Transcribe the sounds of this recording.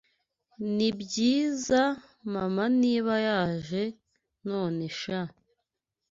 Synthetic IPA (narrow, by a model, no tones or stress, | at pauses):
nibɟiːza | mamaniːβajaːʒe̞ | no̞ːne̞ʃa